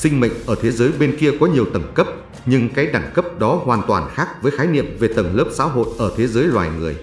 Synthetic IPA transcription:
sï˧ŋ̟mə̰˧˨ŋ̟əː˧˩t̪ʰe˨˦zəː˨˦jɓe˧nki˧əkɔ˨˦ɲi˨˩əwt̪ə˧˩ŋkə˦˥p̚ | ɲɨ˧ŋkaː˨˦jɗaː˧˩ŋkə˦˥p̚ɗɔ˨˦hwaː˨˩nt̪waː˨˩nxaː˦˥k̚vəː˨˦jxaː˨˦jnḭ˧˨əmve˨˩t̪ə˧˩ŋləː˦˥p̚sa̰ː˧˥wɦo̰˧˨jʔəː˧˩t̪ʰe˨˦zəː˨˦jlwaː˨˩jŋɨ˨˩əj

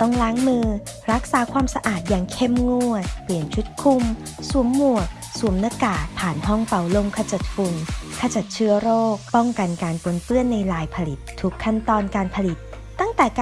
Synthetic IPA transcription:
t̪ɔ˥˩ŋɾaː˨˦˥ŋmɯː˧ | ɾa˦˥k̚saː˩˦kʰwaː˧msa˧ʔaː˨˩t̪̬̚jaː˨˩ŋkʰe˥˩mŋu˥˩ət̪̚pli˨˩ənt͡ɕʰu˦˥t̪̚kʰu˧m | su˩˦əmːu˨˩ək̚ | su˨˩˦mna˧˥kaː˨˩pʰaː˨˩nɦɔ˥˩ŋfa˨˩wlo˧mkʰa˧t͡ɕa˨˩t̪̚fu˧nkʰa˧t͡ɕa˨˩t̪̚t͡ɕʰɯ˥˩əɾoː˥˩k̚pɔ˥˩ŋka˧nkaː˧npo˧˩npɯ˥˩ənːa˧jlaː˧jpʰa˧li˨˩t̪ʰːu˦˥kʰːa˥˩nt̪ɔː˧nkaː˧npʰa˧li˨˩t̪ː | a˥˩ŋt̪ɛː˨˩kː

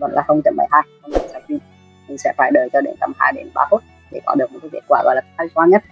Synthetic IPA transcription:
kɔ̰˧˨˩nlaː˨˩hə˧wŋ͡mt͡ɕə˨˧˩mɓə̰˧˩jɦaː˧jɔ˧wŋ͡mt͡ɕə̰˨˩saː˨˧˩ŋki˧ | ɲɨ˨˧ŋsɛ̰˧˥faː˧˩jɗəː˨˩t͡ɕɔ˧ɗḛ˨˦nt̪ə˧mhaː˧jɗe˨˦nɓa̰ː˨˦fo˦˥t̚ | ɗe˧˩kɔ˨˦ɗɨ˨˩k̚mo˨˩t̚kːaː˨˦kḛ˦˥t̚kwaː˧˩ɣɔ̰˧˨jlaː˨˩˦a˧jkwaː˨˧˦ɲə˦˥t̚

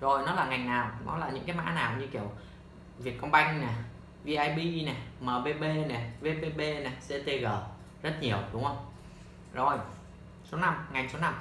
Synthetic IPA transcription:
zo˨˩jnɔ˨˦laː˨˩ŋa˨˩jŋnaː˨˩wnɔ̰˨˦laː˨˩ɲɨ̰˧˥ŋkaː˨˦jma̰ː˧˥naː˨˩wɲɨ˧ki˧˩əw | vi˨˩ət̚kːə˧wŋ͡mɓa˧jŋ̟nɛ˨˩ | vi˧ʔaː˧jɓi˧nɛ˨˩məː˨˩ɓe˧ɓe˧nɛ˨˩ve˨˦˧ɓe˧ɓe˧nɛ˨˩se˧˥t̪e˧ɣəː˨˩ | zə˦˥t̚ɲi˨˩əwɗʊ˨˦ŋ͡mhə˧wŋ͡m | zo˨˩j | so˨˦na˧mŋa˨˩jŋ̟so˨˦na˧m

